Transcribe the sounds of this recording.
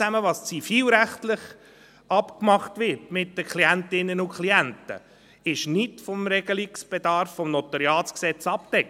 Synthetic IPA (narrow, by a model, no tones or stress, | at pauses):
æməʋɑst͡sifiːlɾæχtlɪχ | ɑpkmɑχtʋɪtmɪtdəkʰliæntɪnːənʊkʰliæntə̰ | ɪʃnɪtfɔmɾɛɡəliksb̥edɑɾfːɔmnɔtɑɾiɑːt͡sksɛt͡sɑp̚t̪ɛk